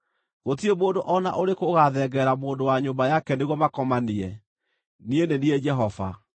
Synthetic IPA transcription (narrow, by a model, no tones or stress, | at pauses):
ɣot̬iemoːndoʔɔna̰ʔoɾekoɣaðɛɡɛɾamoːndowaɲombajakɛneɣwɔmakɔmaniɛ | nienenied͡ʒɛɦɔva̰